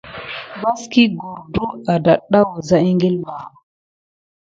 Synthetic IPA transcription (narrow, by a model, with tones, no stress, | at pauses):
ba˦ski˦ɡu˨ɾdu˦a˨da˨ɗa˦wo˨za˦i˦ŋɡe˦lma˨